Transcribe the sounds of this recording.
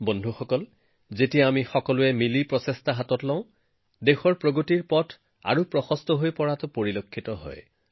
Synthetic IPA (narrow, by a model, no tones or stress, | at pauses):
bondʱuxɔkɔl | zetijaamixɔkɔlʊɛmilipɹɔsestʰaɦatɔtlɔʊ̃ | dexɔɹpɹoɡotiɹpɔtʰ | a̰ɹupɹɔxɔstʰɔɦojpɔɹatʊpoɹilokʰːitɔɦɔ̰j